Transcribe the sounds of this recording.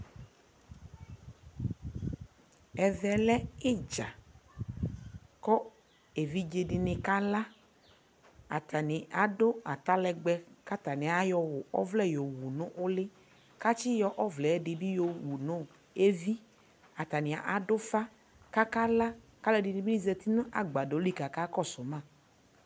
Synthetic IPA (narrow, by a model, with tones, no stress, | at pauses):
ɛ˨vɛ˨lɛ˦e˦d͡ʒa̰˨ | kɔ˦ | e˨vi˦d͡ʒe˨ɖɪ˨nɪ̃˨ka˦la˦ | a̰˨t̪a˨nɪ̃˨ʔa˨do˦a˨t̪a˦lɛ˨ɡ͡bɛ˦ka˦t̪a˨nɪ̃˨a˨˦jɔ˨wʊ˨ɔ̰˦vlɛ˦jo˨wu˨nʊ̃˦ʔʊ˦lɪ˦ | ka˦t͡ʃɪ˦jɔ˦ʔɔ˦vlɛ˨˦ɖɪ˨bi˦jo˨wu˨nʊ̃˦ | e˦vi˦ | a˨t̪a˨nɪ̃˨a̰˨ʔa˦dʊ˦fa˦ | ka˦ka˦la˦ka˦lɛ˦dɪ˨nɪ̃˨bi˦ni˦zɛ˧t̪i˦nʊ̃˦ʔa˨ɡ͡ba˨do˨˦li˦˨ka˨ka˦kɔ˦˨sʊ˨mã˦˨